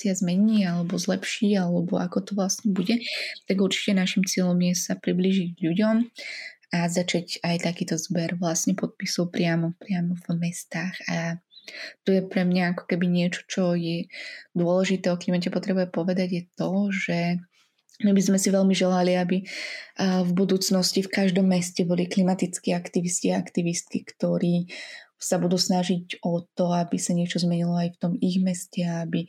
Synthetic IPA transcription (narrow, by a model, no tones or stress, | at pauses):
iazmɛɲiːalɛbɔzlɛpʃiːalɛbɔʔa̰kɔt̪ɔʋlasɲɛbuɟɛt̪aɡuɾt͡ʃi̥cɛnaʃimt͡sɪɛʎɔmjɛsapɾibliːʒiɟʎuɟɔm | azat͡ʃacajt̪akiːt̪ɔzbɛɾʋlasɲɛpɔt̪̚pisɔʊpɾɪamɔpɾɪamɔvmɛst̪aːxa | t̪ɔjɛpɾɛmɲaakɔ̥kɛbiɲɪɛt͡ʃɔ̥t͡ʃɔjɛd̪ʊɔlɛʒit̪ɛɔklimacɛpɔt̪ɾɛbujɛpɔʋɛd̪aɟjɛt̪ɔʒɛ | mibizmɛsiʋɛlmiʒɛlaliabi | vbud̪uːt͡snɔscifkaʒd̪ɔmːɛscɛbɔliklimat̪it͡skiːakt̪iʋisciaa̰kt̪iʋist̪̚kikt̪ɔɾiːsabud̪uːsnaʒiɟɔt̪ɔabisaɲɪɛt͡ʃɔzmɛɲilɔajft̪ɔmiɣmɛscɛaabi